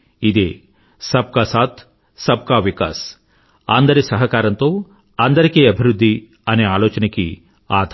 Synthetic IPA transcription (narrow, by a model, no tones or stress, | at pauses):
id̪eː | sɐb̚kaːsaːt̪ʰ | sɐb̚kaːʋika̰ːs | ɐnd̪ɐɾisɐɦɐkaːɾɐnt̪o̞ː | ɐnd̪ɐɾikeːɐbʱiɾud̪ʱːi | ɐneːaːlɔːt͡ʃɐnɐkḭ | aːd̪ʱ